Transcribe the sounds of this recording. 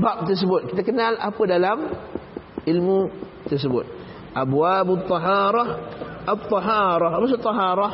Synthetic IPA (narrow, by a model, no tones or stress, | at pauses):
bap̚t̪ərs̬əbʊt̪̚kit̪akənala̰pədalam | ilmu | t̪ərs̬əbʊt̪̚ | ʔabwabt̪ˤːɑɦɑːɾˤɑhʔat̪ˤːɑɦɑːɾˤɑhamas̬ut̪ˤːɑɦɑɾˤɑ